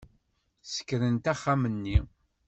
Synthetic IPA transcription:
sə̥kːɾənt̪æχːamənːi

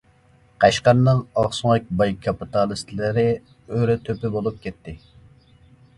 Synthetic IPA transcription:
qʰɑʃqɑɾnɨŋɑʁsʊŋɨk̚ʲbɑjkʰɑpit̪ɑlˠist̪ʰlɪɾɪ | øɾɛt̪ʰøpɪbolˠup̚kʲʰɛt̪ʰːɪ

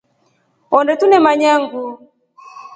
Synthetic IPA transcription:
ɔndɛtunɛmaɲaŋɡu

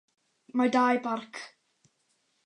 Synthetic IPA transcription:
madajbarkʰ

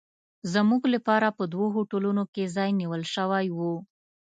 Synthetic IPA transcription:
zamuɡlapɑɾapəd̪woɦoʈolunokezɑjniwəlʃəwajwu

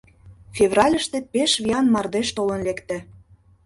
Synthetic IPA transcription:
fʲevrɑlʲəʃt̪ĕpeʃβʲiɑnmɑrd̪eʃt̪olə̆nlekt̪ĕ

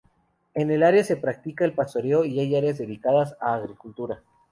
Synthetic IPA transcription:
e̞ne̞laɾjase̞pɾak̚t̪ikaelpast̪o̞ɾeoiajaɾeazðe̞ðikaðasaːɣɾikult̪uɾa

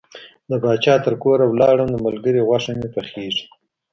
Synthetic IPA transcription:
d̪əbɑt͡ʃɑt̪əɾkoɾawlɑɽənd̪əmalɡəɾeɣwaʂanepəxeʐi̥

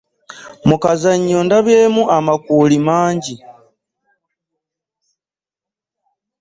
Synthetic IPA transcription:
mukazaɲːoːndaβjeːmuʔamakuːlimaːɲɟi

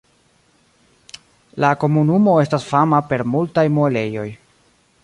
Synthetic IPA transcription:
lako̞munumo̞e̞stasfamape̞ɾmultajmoele̞jo̞j

